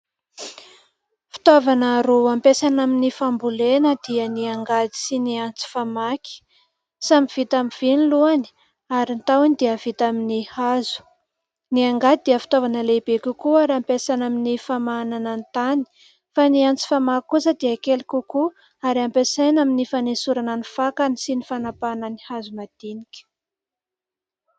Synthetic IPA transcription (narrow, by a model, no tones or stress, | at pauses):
fi̥t̪ovanəɾuampesanaminifambulenəd̪̥iəniaŋɡad̪i̥siniant͡si̥famakʲi̥ | sambiv̥it̪amiv̥iniluani̥ | aɾint̪awanid̪iəv̥it̪aminihazu̥ | niaŋɡad̪id̪eəfi̥t̪ovanəlebekʲukuaɾiampesanaminifamananant̪ani̥ | faniant͡si̥famakkusəd̪iəkelikʲuku | aɾampesajnaminifanesuɾananifakanisinifanapananihazumad̪̥inikʲə̥